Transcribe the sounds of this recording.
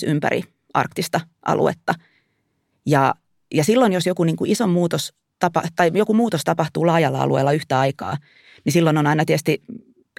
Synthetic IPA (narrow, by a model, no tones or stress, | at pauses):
ympæ̰ɾḭ | ʔɑ̰rkt̪ist̪ɑ | ʔɑ̰lṵḛt̪ːɑ | jɑ | jɑsilːonjosjokuniːŋkuʔisommuːt̪os | t̪ɑpɑ̰t̪ɑijokumuːt̪ost̪ɑpɑht̪uːlɑːjɑlːɑɑ̰lʔṵḛːlːɑyht̪æɑikɑ̰ː | nisilːononɑinɑt̪iəst̪i